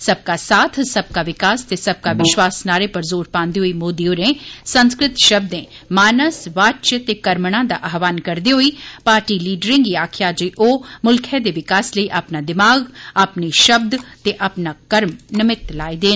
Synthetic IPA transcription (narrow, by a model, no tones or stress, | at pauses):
sɐb̚kaːsaːt̪ʰsəb̚kaːʋɪkaːst̪eːsɐb̚kaːʋɪʃwaːsnaːɾeːpəɾzoːɾpãːnd̪eːɦoːiːmoːd̪iːoːɾẽːsənskɾɪt̪ʃəb̚d̪ẽː | maːnəsʋaːt͡ʃət̪eːkəɾmɽãːd̪a̰ːʔaːɦʋaːnkəɾd̪eːɦoːiːpaːɾʈiːliːɖɾẽːŋɡiaːkʰjaːd͡ʒeːʔoːmʊlkʰẽd̪eːʋɪkaːsləiːʔaːpnaːd̪ɪmaːɡapniʃəb̚d̪t̪eːʔapnaːkəɾmnɪmɪt̪laːid̪eː